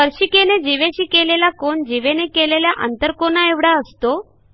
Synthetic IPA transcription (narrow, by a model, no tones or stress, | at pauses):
əɾɕiːkened͡ʑiʋeɕiːkelelakoɳd͡ʑiʋenekeleljaʔənt̪əɾkonaeʋɽaəst̪o